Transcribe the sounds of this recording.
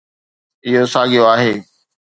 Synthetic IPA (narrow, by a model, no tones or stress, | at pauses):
ɪɦosaːɠijoaːɦeː